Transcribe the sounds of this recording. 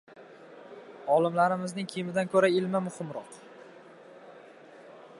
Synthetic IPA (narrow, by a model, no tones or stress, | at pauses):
ɒlˠɪmlaɾɪmɪznɪŋkʲʰeijmɪd̪ankʰɵɾaɪlmamʊhɪmɾɒq